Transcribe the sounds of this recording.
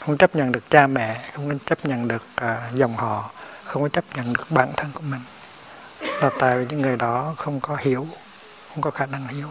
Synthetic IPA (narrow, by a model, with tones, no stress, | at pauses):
xə˧wŋ͡mt͡ɕə˦˥p̚ɲə̰˧˨nɗɨ˨˩ək̚t͡ɕaː˧mɛ̰˧˨xə˧wŋ͡mkːt͡ɕə˦˥p̚ɲə̰˧˨nɗɨ˨˩ək̚ʔːzə˨˩wŋ͡mhɔ̰˧˨xə˧wŋ͡mkɔ˨˦t͡ɕə˦˥p̚ɲə̰˧˨nɗɨ˨˩ək̚ɓa̰ː˧˩nt̪ʰə˧nku˧˩əmï˨˩ŋ̟ | laː˨˩t̪a̰ː˧˨jvi˨˩ɲɨ̰˧˥ŋːɨ˨˩əjɗɔ˨˦xə˧wŋ͡mkɔ˨˦hi˧˩əw | xə˧wŋ͡mkɔ˨˦xaː˧˩na˧ŋhi˧˦əw